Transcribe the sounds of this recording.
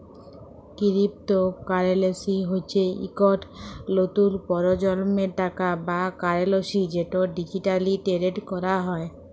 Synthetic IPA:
kiɾip̚t̪okaɾelesiɦot͡ɕʰeḭkɔʈlot̪ulpɔɾod͡ʑɔlmeʈakabakaɾeloʃid͡ʑeʈoɖid͡ʑiʈaliʈeɾeʈkɔɾaɦɔe

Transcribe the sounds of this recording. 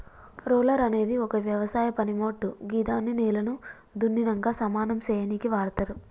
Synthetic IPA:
ɾoːlɐɾɐne̞ːd̪iɔkɐʋjɐʋɐsaːjɐpɐnimo̞ːʈːuɡiːd̪aːnːineːlɐnu | d̪unːinɐŋɡaːsɐmaːnɐmseːjɐnikiʋaːɽɐt̪aɾu

